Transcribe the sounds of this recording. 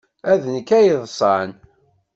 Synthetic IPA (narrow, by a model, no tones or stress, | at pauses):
æðənəkːæjəðˤsˤɑn